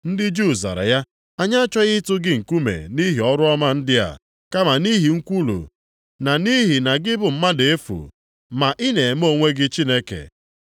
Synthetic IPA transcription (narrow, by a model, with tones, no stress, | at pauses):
n̩˦dɪ˦d͡ʒu˦˨za̰˨ɾa̰˨ja˦ | a˦ɲa˦a˦t͡ʃɔ˦ɣɪ˦tʊ˦ɡɪ˦ŋ̩˨ku˦mḛ˨ni˦ɦi˨ɔ˦ɾʊ˦ɔ˦ma˦n̩˦dɪ˦a̰˨ | ka˦ma˨ni˦ɦi˨ŋ̩˦kʷu˦lṵ˨ | na˨ni˦ɦi˨na˨ɡɪ˦bʊ˨m̩˦ma˦de˨e˦fṵ˨ | ma˨ʔɪ˦ne˨e˨m˦o˦ŋʷe˦ɡɪ˦t͡ʃi˦ne˦kḛ˨